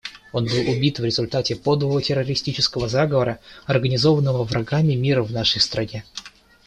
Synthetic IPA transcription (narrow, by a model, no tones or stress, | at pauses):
o̞nbɨlˠʊbʲit̪vɾʲɪzʊlʲt̪atʲɪpo̞d̪vəvətʲɪrːəɾʲɪsʲtʲit͡ɕɪskəvəzaɡəvəɾəɐrɡənʲɪzo̞vənːəvəvɾɐɡamʲɪmʲiɾəvnaʂəjst̪ɾʔɐnʲe